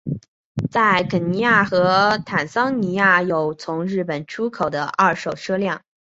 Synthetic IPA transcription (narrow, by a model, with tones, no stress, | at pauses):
t͡sa˥˩ɪkʰə˨˩ni˧˥ja˥˩xɤ˧˥t̪ʰa˨˩nsɑ˥ŋni˧˥ja˥˩jo˨˩ʊt͡sʰʊ˧˥ŋɻɻ̩˥˩pə˨˩nʈ͡ʂʰu˥kʰo˨˩ʊd̪ə̰˦ʔɐ˥˩ʂo˨˩ʊʂɤ˥ljɑ˥˩ŋ